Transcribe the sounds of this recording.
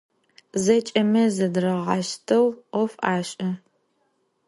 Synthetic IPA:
zɐt͡ʃʼɐmɐzɐdrɐʁɑʃtʰɐwɔfaːɕʼɐ

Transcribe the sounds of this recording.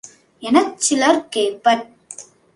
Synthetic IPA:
ɛnɐk̚t͡ʃɪlɐɾkeːpːɐʈ̚

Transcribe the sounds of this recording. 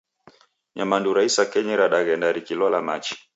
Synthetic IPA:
ɲamanduɾaisakɛɲɛɾaɗaɣɛndaɾikilɔlamat͡ʃi̥

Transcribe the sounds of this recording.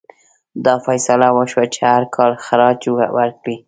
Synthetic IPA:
d̪ɑfajsalawəʃwat͡ʃehaɾkʰɑlxaɾɑd͡ʒawaɾkɽi

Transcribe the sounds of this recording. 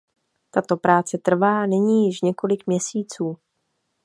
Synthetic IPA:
t̪at̪o̞pɾaːt͡sɛt̪r̩vaːnɛɲiːjɪʃɲɛko̞lɪkmɲɛsiːt͡suː

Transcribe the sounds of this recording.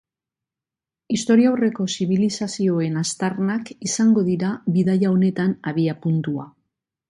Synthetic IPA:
ist̪o̞ɾiawre̞ko̞siβ̞ilisasio̞e̞nast̪aɾnakisaŋɡo̞ðiɾaβiðajao̞ne̞t̪anaβiapunt̪ua̰

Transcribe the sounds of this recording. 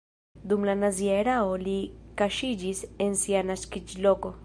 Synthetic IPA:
d̪umlanazieɾaolikaʃid͡ʒisensianaskid͡ʒloko

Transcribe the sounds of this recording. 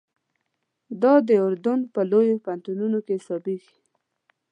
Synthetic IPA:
d̪ɑd̪əʊɾd̪ʊnpəlojopant̪ununokesɑbid̪i

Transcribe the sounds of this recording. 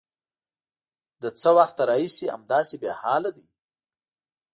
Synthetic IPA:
d̪ət͡səwaxt̪aɾɑhisia̰md̪ɑsebjɑhɑlad̪i

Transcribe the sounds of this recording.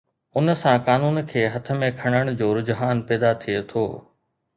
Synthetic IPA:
ʊnə̆sãkaːnuːnkʰeːɦɐt̪ʰə̆mẽkʰɐɽ̃əɽ̃ʊd͡ʑoːɾʊd͡ʑɦaːnpɛːd̪at̪ʰijet̪ʰoː

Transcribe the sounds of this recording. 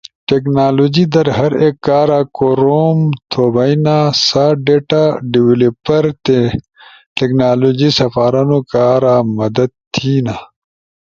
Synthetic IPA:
ʈeknaːloːd͡ʑid̪ɐɾɦɐɾekːaːɾaːkoɾoːmt̪ʰoːbɐjnaːsaɖeːʈaɖiwilepɐɾt̪e | ʈeknaːloːd͡ʑisɐfaːɾɐnokaːɾaːmɐd̪ɐd̪̚t̪ʰiːna

